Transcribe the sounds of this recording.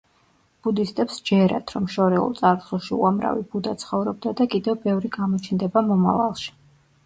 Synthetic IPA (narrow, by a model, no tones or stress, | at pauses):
b̥ud̪ist̪ʼɛpsd͡ʒɛɾa̰d̪̥ɾɔmʃɔɾɛṵlˠt̪sʼaɾsulˠʃiṵamɾa̰vib̥ud̪at̪sʰχɔvɾɔb̚d̪ad̪akʼid̪ɛvbɛvɾiɡamɔt͡ʃʰnd̪ɛbamɔma̰va̰lˠʃi̥